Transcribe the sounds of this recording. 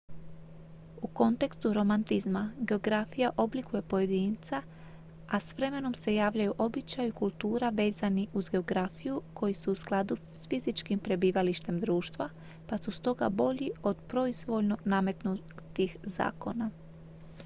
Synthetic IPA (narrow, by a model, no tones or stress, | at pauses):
uko̞nt̪e̞kst̪uɾo̞mant̪izmaɡe̞o̞ɡɾafijaʔo̞blikuje̞po̞je̞d̪iːnt̪sa | ʔasʋɾe̞me̞no̞mse̞jaːʋʎajuʔo̞bit͡ʃajuikulˠt̪uːɾaʋe̞ːzaniʔuzɡe̞o̞ɡɾafijukʰo̞jisuːsklˠad̪u | sfizit͡ʃkimpɾe̞biːʋaliʃt̪e̞md̪ɾuːʃt̪ʋa | pasust̪o̞ɡa̰bo̞ʎio̞d̪pɾo̞izʋo̞ʎno̞name̞t̪nu | t̪ixza̰ːko̞na